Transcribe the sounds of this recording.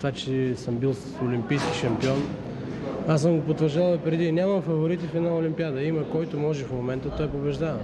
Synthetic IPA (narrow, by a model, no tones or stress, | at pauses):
t̪vat͡ʃɛsəmbilˠssolʲimpijskʲi̥ʃɐmpiɔn | as̬əmɡopot̪vəɾʒd̪alˠpɾɛd̪inʲamɐmfɐvoɾit̪ifɛd̪naʊlʲimpiad̪əiməkɔjt̪ʊmɔʒɛfmomɛnt̪ət̪ɔjpobɛʒd̪avɐ